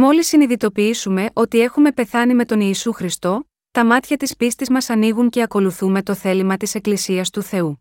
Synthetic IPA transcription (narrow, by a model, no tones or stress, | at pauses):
mo̞lisːiniðit̪o̞piisume̞ʔo̞t̪ie̞xume̞pe̞θɐnime̞t̪o̞niːsuxɾist̪o̞ | t̪ɐmɐt̪çɐt̪ispist̪izmɐsɐniɣuɲce̞ɐko̞luθume̞t̪o̞θe̞limɐt̪ise̞klisiɐst̪uθe̞u